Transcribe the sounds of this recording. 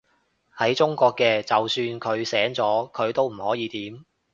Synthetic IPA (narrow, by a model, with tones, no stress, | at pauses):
hɐ˨˥jt͡sʊ˥ŋkʷɔː˧kːɛː˧t͡sɐ˨wsyː˧nkʰɵ˨˧ɥsɛː˨˥ŋt͡sɔː˨˥kʰɵ˨˧ɥt̪o˥wm̩˨˩hɔː˨˥jiː˨˧t̪iː˨˥m